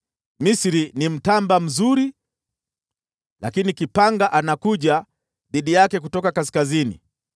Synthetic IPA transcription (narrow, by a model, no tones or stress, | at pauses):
misɾinim̩tambam̩zuɾi | la̰kinikipaŋɡaʔanakuʄa | ðiɗijakɛk̬utɔkakas̬i̥kazinḭ